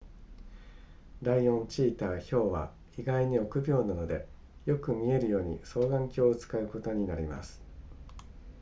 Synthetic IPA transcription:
d̪aijõ̞ɲ̟t͡ɕiːt̪aːço̞ːβa̰ | iɡaiɲ̟io̞kɯ̟bʲo̞ːnano̞d̪e̞ | jo̞kɯ̟mʲie̞ɾɯ̟jo̞ːɲ̟ḭso̞ːɡ̪ãŋkʲoːt͡sɨ̥kaɯ̟ko̞t̪o̞ɲ̟inaɾʲima̰sɨ̥

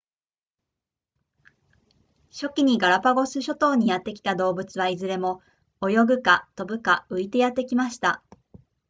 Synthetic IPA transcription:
ɕo̞kʲiɲ̟iɡaɾapaɡo̞sɨɕo̞t̪o̞ːɲ̟ːijat̪ːe̞kʲi̥t̪ad̪o̞ːbɯ̟t͡sɨβaizɨɾe̞mo̞ | ojo̞ɡɯ̟kat̪o̞bɯ̟kaɯ̟it̪e̞jat̪ːe̞kʲimaɕi̥t̪a

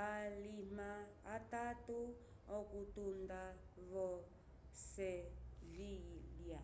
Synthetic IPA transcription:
alimaː | tatu | ɔkutundaβɔ | sɛvilja

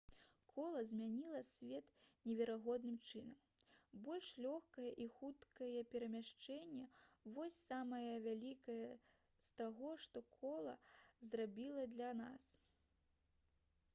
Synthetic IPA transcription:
kʰɔlˠɐzʲmʲanʲilˠɐsʲvʲɛt̪nʲɛvʲɛɾaɣɔd̪nɨmt͡ʂɨnɐmbɔlʲʂlʲɔxkɐjɐʔixut̪kɐjɛpʲɛɾɐmʲaʂt͡ʂɛnʲːɛvɔsʲsamɐjɐvʲalʲikɐjɐ | st̪aɣɔʂt̪ɔkʰɔlˠɐ̰zrabʲilˠɐd̪lʲɐna̰s

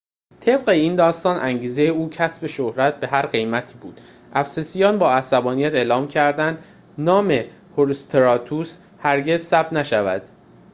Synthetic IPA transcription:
t̪ʰe̞bɢe̞iːnd̪ɒːst̪ɒːnʔæŋɟiːze̞jeuːcʰæsbe̞ʃohɾæt̪̚be̞ɦæɾɢe̞jmæt̪ʰiːbuːd̪̥ | ʔæfsesijɒːnbɒːæsæbɒːnijæt̪e̞ːlɒːmcʰæɾd̪ænd̪ | nɒːme̞ | hoɾust̪ʰeɾɒːt̪ʰus | hæɾɟe̞zsæb̥̚t̪næʃævæ̰d̪̥

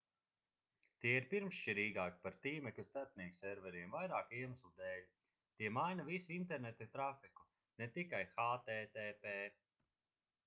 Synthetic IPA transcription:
t̪iɛiɾpiɾmst͡ʃiɾiːɡaːki̥paɾt̪iːmɛkast̪aɾt̪̚niɛksɛɾvɛɾiɛmvajɾaːkiɛmaslˠud̪ɛːlʲ | t̪iɛmajnavisiint̪ɛɾnɛt̪at̪ɾafiku̥ | nɛt̪ikajxaːt̪ɛːt̪eːpeː

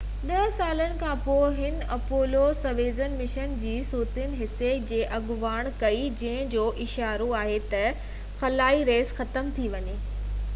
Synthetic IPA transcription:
ɗɐɦsaːlənɪ̆kʰãːpoːɦɪn̆ | ɐpoːlosɐʋeːzənmɪʃənd͡ʑiːsuːt̪ɪn̆ɦɪsːed͡ʑeːʔɐɡʊʋaːɽ̃kɐid͡ʑɐ̃ɦɪ̃d͡ʑoːʔɪʃaːɾoaːɦet̪ɐ | xɐlaːiɾeːzxɐt̪əmt̪ʰiʋɐɲeː

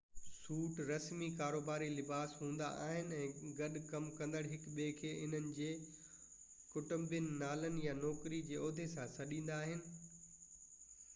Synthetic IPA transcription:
suːʈɾɐsmikaːɾoːbaːɾilɪbaːsɦũːnd̪a̰ʔa̰ːɦɪnɪ̆ɛ̃ːɡɐɗkɐmkɐ̃nd̪əɽɦɪkɓeːkʰeːʔɪn̤ənɪ̆d͡ʑeː | kʊʈəmbənɪ̆naːlənɪ̆janɔːkɾid͡ʑeːoːd̪ʱesãsɐɗĩːn̆d̪aːɦɪnɪ̆

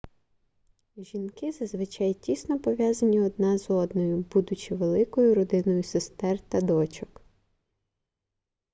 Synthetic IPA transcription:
ʒʲinkɪzɐzʋɪt͡ʃɑjtʲisnɔpɔʋʲjazɐnʲiɔd̪̚nɑzɔd̪nɔjʊbud̪ʊt͡ʃɪʋelˠɪkɔjʊɾɔd̪ɪnɔjʊsest̪ɛrt̪ɐd̪ɔt͡ʃɔk

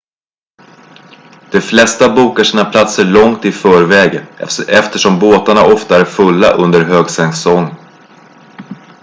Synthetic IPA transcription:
d̪̥ɛflɛst̪abuːkaʂiːnapʰlat̪səɭɔŋt̪ɪfœːɾvɛːɡɛft̪əʂɔmboːt̪aɳaʔɔft̪aæɾfɵlːa̰ʔɵnd̪əɾɦøːɡsɛŋsɔŋː

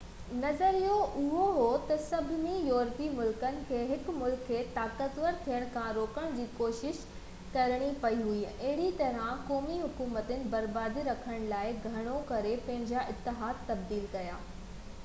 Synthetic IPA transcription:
nɐzəɾijoʔʊɦoɦot̪ɐsɐbʱɪnĩjɔːɾt̪imʊlkənɪ̆kʰeːɦɪkmʊlkʰːeːt̪aːkət̪ʋəɾt̪ʰijəɽ̃kʰãɾoːkəɽ̃d͡ʑiːkoːʃɪʃ | kɐɾɽ̃ipɐiɦuiɐɦɪɽit̪ɐɾãkɔːmiɦʊkuːmət̪ɪnɪ̆bɐɾbaːd̪iɾɐkʰəɽ̃laːɪɡʱɐɽ̃okɐɾepɐ̃ɦɪ̃ɲd͡ʑaʔɪt̪ːɪɦaːd̪̚t̪ɐb̚d̪iːlkɐja̰ː

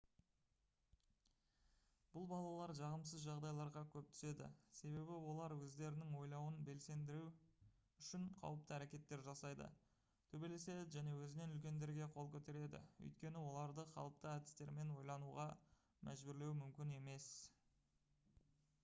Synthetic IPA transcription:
b̥ʊlˠbɑlˠɑlˠɑɾʒɑʁəmsəzʒɑʁd̪ɑjlˠɑɾʁɑkʲʰɵp̚t̪ʰʏ̥se̞d̪ɪ̰se̞βe̞bɪwo̞lˠɑɾwɵzd̪e̞ɾɪnɪŋwo̞jlˠɑwənbe̞lse̞nd̪ɪɾu | ʏʃɪɴqʰɑ̰wəp̚t̪əæɾe̞kʲe̞t̪ːe̞ɾʒɑsɑjd̪ə̰ | t̪ʰɵbe̞le̞se̞d̪ɪʒæne̞wɵzɪne̞nʏlkʲe̞nd̪e̞ɾɡʲe̞qʰo̞lˠkʲʰɵt̪e̞ɾe̞d̪ɪ̰ɵ̰jt̪kʲe̞nɪwo̞lˠɑɾd̪əχɑ̰lˠəp̚t̪əæd̪ɪ̥st̪e̞ɾme̞nwo̞jlˠɑnuʁɑ | mʔæʒbʏɾle̞wmʏmkʲɪne̞me̞s

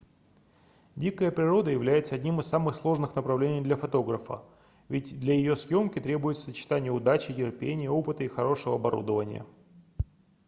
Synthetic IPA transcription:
dʲikəjəpɾʲɪɾo̞d̪əjɪvlʲæjɪt̪səɐdʲnʲimɨsamɨxslˠo̞ʐnɨxnəpɾɐvlʲenʲɪjd̪lʲɐfɐt̪o̞ɡɾəfə̰ | vʲɪtʲd̪lʲɐjɪjosjo̞mkʲɪt̪ɾʲe̞bʊjɪt̪sə̥sət͡ɕɪ̥t̪anʲɪjəʊd̪at͡ɕɪtʲɪrpʲenʲɪjəo̞pɨt̪əixɐɾo̞ʂəvəɐbɐɾṵd̪əvənʲɪ̰jə̰

